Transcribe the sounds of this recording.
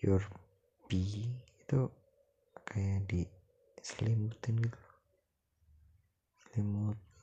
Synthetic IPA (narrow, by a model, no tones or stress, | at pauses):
jur | b̥iit̪u | kʰajadi | səlimut̪ɪnɡit̪lo | slimut̪̚